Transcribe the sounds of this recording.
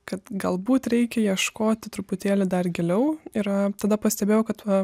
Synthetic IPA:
kɐt̪ɡɐlˠbuːt̪ɾʲɛɪkʲɛjiɛʃkoːt̪ʲɪt̪ɾʊpʊt̪ʲeːlʲɪd̪ɐrɡʲɛlʲɛʊɪɾɐt̪ɐd̪ɐpɐsʲt̪ʲɛbʲeːjɛʊkɐt̪ʋɐ

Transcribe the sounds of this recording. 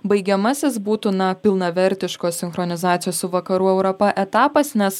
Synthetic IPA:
bɐɪɡʲɛmɐsʲɪsbuːt̪unɐpʲɪlˠnɐʋʲɛɾʲt̪ʲɪʃkoːsʲɪnxɾɔnʲɪzɑːt̪sʲɪjoːssʊʋɐkɐɾuːɛʊɾopɐʔɛt̪ɑːpɐsnʲɛs

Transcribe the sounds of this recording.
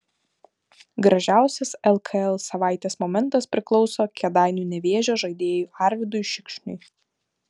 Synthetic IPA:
ɡɾɐʒʲæˑʊsʲɛsɛlˠkʰɐɛlˠsɐʋɑˑɪt̪ʲeːsmɔːmʲɛnˑt̪ɐspʲɾʲɪklˠɔʊsoːkʲɛd̪ɑˑɪnʲuːnʲɛʋʲeɛʒʲoːʒɐɪd̪ʲeːjuːɑˑɾʲʋʲɪd̪ʊjʃʲɪkʃʲnʲʊ̰ɪ

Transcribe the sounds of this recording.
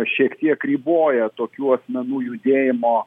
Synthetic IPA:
ʃʲiɛkt̪ʲiɛkɾʲiːboːjɛt̪oːkʲuːɐsʲmʲɛnuːjʊd̪ʲeːjɪmoː

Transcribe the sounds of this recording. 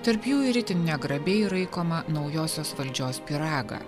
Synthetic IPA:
t̪ɐɾpjuːɪɾʲɪt̪ʲɪnnʲɛɡɾɐbʲɛɪɾɐɪkoːmɐnɒʊjoːsʲoːsʋɐlʲd͡ʒʲoːspʲɪɾɑːɡɐ̰

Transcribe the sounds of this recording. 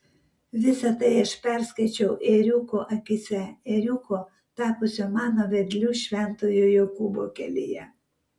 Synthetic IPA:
ʋʲɪsɐt̪ɐɪɪʃpʲɛɾskɐɪt͡ʃʲɛʊʔeɾʲukoʔɐkʲɪsʲɛeɾʲuko | t̪ɑːpʊsʲomɑːnoʋʲɛd̪ʲlʲuːʃʲʋʲɛnt̪ojojokubokʲɛ̰lʲɪ̰jɛ̰

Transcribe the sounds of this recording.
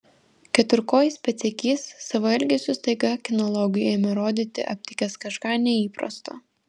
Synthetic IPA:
kʲɛt̪ʲʊɾkoːjsʲpʲɛt̪sʲɛkʲiːsːɐʋɐɛlʲɡʲɛsʲʊst̪ɐɪɡɐkʲɪnɔlˠɔɡʲɪjeːmʲɛɾoːd̪ʲiːt̪ʲɪ̰ʔɐp̚ʲt̪ʲɪkʲɛskɐʃkɑːnʲɛiːpɾɐ̰st̪o̰ː

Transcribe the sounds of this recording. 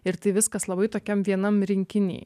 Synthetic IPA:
ɪɾt̪ɐɪʋʲɪskɐslˠɐbɐɪt̪oːkʲɛmʋʲiɛnɐmɾʲɪŋʲkʲɪnʲḛː

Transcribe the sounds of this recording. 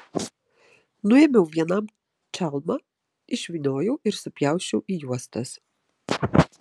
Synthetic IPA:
nʊɛmʲɛʊʋʲiɛnɐm | t͡ʃʲælˠmɐ | ɪʃʲʋʲinʲoːjɛʊɪɾsʊpʲjæˑʊʃʲɛʊʔijuɔst̪ɐs

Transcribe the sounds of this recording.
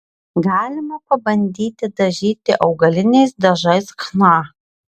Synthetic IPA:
ɡɑːlʲɪmɐpɐbɐnʲd̪ʲiːt̪ʲɪd̪ɐʒʲiːt̪ʲɪʔɒʊɡɐlʲɪnʲɛɪsd̪ɐʒɐɪsknɑː

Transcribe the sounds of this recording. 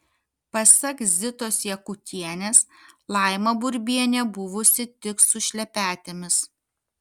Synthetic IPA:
pɐsʲɐkzʲɪt̪oːsjɛkʊt̪ʲiɛnʲeːslˠɐˑɪmɐbʊɾʲbʲiɛnʲɛbʊʋʊsʲɪt̪ʲɪk̪sʊʃʲlʲɛpʲæːt̪ʲemʲɪs

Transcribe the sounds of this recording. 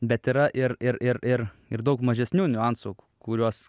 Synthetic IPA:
bʲɛt̪iːɾɐʔɪɾɪɾɪɾɪɾ | ɪɾd̪ɐʊkmɐʒʲɛsʲnʲuːnʲʊɐnsoːkʊ̥kʊɾʲuɔs

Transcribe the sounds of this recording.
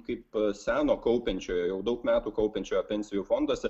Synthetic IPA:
kɐɪpsʲæːnoːkɐʊpʲɛnʲt͡ʃʲoːjoːjɛʊd̪ɐʊkmʲæːt̪uːkɐʊpʲɛnʲt͡ʃʲoːjoːpʲɛnʲsʲɪjuːfond̪ɐsʲ

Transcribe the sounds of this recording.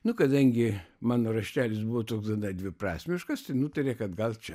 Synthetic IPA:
nʊkɐd̪ɐŋʲɡʲɪmɑːnoːɾɐʃʲt̪ʲæːlʲɪsbʊʋoːt̪oːɡsd̪ɐd̪ɐd̪ʲʋʲɪprɑ̰ːsʲmʲɪʃkɐst̪ɐɪnuːt̪ɐɾʲekɐd̪ɡɐlˠt͡ʃʲɛ

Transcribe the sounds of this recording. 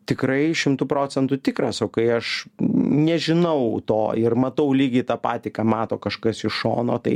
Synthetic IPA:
t̪ʲɪkɾɐɪʃʲɪmt̪upɾoːt͡sʲɛnt̪ʊt̪ʲɪkɾɐsoʊkɐɪɐʃ | nʲɛʒʲɪnɐʊt̪o̰ːɪrmɐt̪ɐʊlʲiːɡʲɪt̪ɑːpɑ̰ːt̪ʲɪkɑːmɑːt̪o̰ːkɐʃkɐsɪʃo̰ːno̰ːt̪ɐɪ

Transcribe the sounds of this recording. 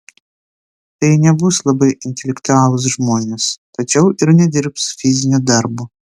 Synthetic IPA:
t̪ɐɪnʲɛbʊslˠɐbɐɪɪnʲt̪ʲɛlʲɛkt̪ʊɑːlˠʊs̬ʒmoːnʲest̪ɐt͡ʃʲɛʊʔɪɾnʲɛd̪ʲɪɾpsfʲɪzʲɪnʲuːd̪ɐɾbo

